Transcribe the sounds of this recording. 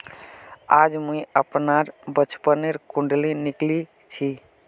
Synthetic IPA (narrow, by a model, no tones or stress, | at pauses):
ad͡ʒmuiəpnaɾbət͡ʃʰpəneɾkuɳɖlinikli | t͡ʃʰi